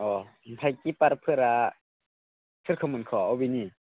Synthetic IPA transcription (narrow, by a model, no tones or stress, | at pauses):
ʔɔːm̩pʰajkipaɾpʰɯɾa | sʰɯt̚kʰɔmɯnkʰɔːɔwbini